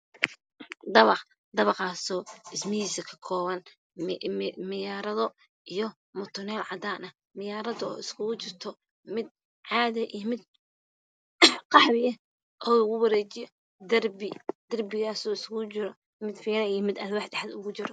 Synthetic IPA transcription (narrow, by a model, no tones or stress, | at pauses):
d̪ɐβɑq | d̪ɐβɑqɑːsɔːɪsmɐhiːsɐkʰɐ̥kʰɔːβɐn | mɪjaːɾɐðɔ | ijɔ | mɔt̪ʰʊnɛːlʕɑd̪aːnɐ | mɪjaːɾɐðɔ̰ːɪskʰʊɣʊt͡ʃɪrt̪ʰɔ | mɪd̪̚ | ʕɑːðɛʔijmɪd̪̚ | qɑħβɪjɐ | ʔɔːʊɣʊwɐɾɛːt͡ʃɪjɔ | d̪ɐrbɪd̪̥ɐrbɪɣaːsɔːɪskʊt͡ʃɪɾɔ | mɪd̪fɛːɾɐijɔmɪd̪ɐlwaːħd̪ɛħad̪ʊɣʊt͡ʃɪɾɔ